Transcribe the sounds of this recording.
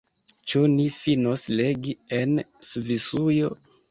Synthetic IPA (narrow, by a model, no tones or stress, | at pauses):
t͡ʃunifinosleɡiensvisujo